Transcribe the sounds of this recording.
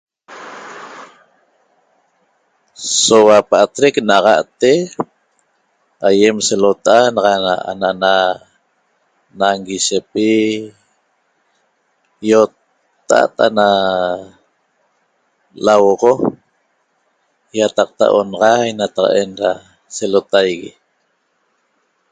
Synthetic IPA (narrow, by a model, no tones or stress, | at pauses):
sowapaʔat̪ɾeknaʁɑʔt̪e | ajemselot̪aʔanɑʁɑaa̰naʔna | naŋɡiʃepi | jott̪ː | a̰ʔt̪a̰na | lawʁo | jat̪ɑq̚t̪a̰ʔonɑʁɑjnat̪ɑqɑ̰ʔenɾa | selot̪ajɣi